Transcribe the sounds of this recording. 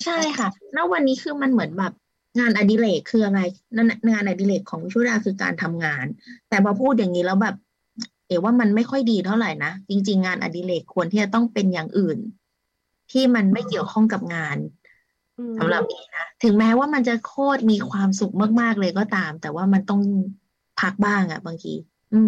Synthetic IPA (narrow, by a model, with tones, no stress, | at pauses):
t͡ɕʰa˥˩jkʰa˥˩na˦˥wwa˧nːiː˦˥kʰɯː˧ma˧nmɯ˨˩˦ənbɛː˨˩p̚ | ŋaː˧nʔa˧˩di˧leː˨˩kʰːɯː˧ʔa˧ɾa˧jn˥ŋaː˧nʔa˧˩diː˧leː˨˩kʰːɔː˩˦ŋi˦˥t͡ɕʰu˥˨jaː˧˥˩kʰɯː˧ka̰ː˧nt̪ʰa˧mŋaː˧nt̪ɛː˨˩bʰɔː˧pʰuː˥˩t̪̚ja˨˩ŋniː˦˥lɛː˦˥wbɛː˨˩p̚ | heː˨˩˦waː˥˩ma˧nma˥˩jkʰɔ˥˩jdiː˧t̪ʰa˥˩wɾa˨˩jna˦˥t͡ɕi˧ŋt͡ɕi˧ŋːaː˧nʔa̰˧˩diː˧leː˨˩kʰːu˧ənt̪ʰiː˥˩t͡ɕa˨˩t̪ɔ˥˩ŋpe˧njaː˨˩ŋʔɯː˨˩n | t̪ʰiː˥˩ma˧nma˥˩jki˨˩əwkʰɔ˥˩ŋka˨˩p̚ŋaː˧n | sa˩˦mɾa˨˩p̚niː˦˥na˦˥t̪ʰɯ˩˦ŋmɛː˦˥waː˥˩ma˧nt͡ɕa˨˩ʔkʰoː˥˩t̪̚miː˧kʰwaː˧msu˨˩k̚ma˥˩k̚maː˥˩k̚lɤː˧jk̬ɔː˥˩t̪aː˧mt̪ɛː˨˩waː˥˩ma˧nt̪ɔ˥˩ŋ | pʰa˦˥k̚baː˥˩ŋʔa̰˨˩baː˧ŋkḭː˧ | ʔɯː˧m